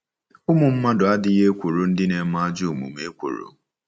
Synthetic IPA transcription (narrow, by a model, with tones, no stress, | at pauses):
ʊ˦mʊ˨m̩˦ma˦dʊ˨a˦dɪ˨je˦kʷo˨ɾo˨n̩˦dɪ˦ne˨˦ma˦a˦d͡ʒʊ˦˨mṵ˨me˦kʷo̰˨ɾo̰˦